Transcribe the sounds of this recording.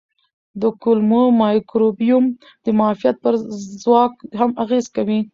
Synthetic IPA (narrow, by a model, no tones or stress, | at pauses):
d̪əkulmumɑjkɾobjum | d̪əmɑfijat̪̚pəɾzwɑk̚hamaɣezkawi